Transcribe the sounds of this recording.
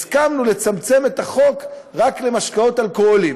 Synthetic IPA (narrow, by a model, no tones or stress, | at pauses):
skamnule̞t͡samt͡se̞me̞t̪aχo̞k | ʁakle̞maʃkao̞talkoolim